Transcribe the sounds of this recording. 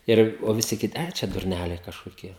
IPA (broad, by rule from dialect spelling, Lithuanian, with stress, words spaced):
ˈɪr oː ʋʲɪˈsʲɪ kʲɪˈtʲɪ ˈt͡ʃʲɛ dʊrʲˈnʲælʲɛɪ kɐʃkoːˈkʲiɛ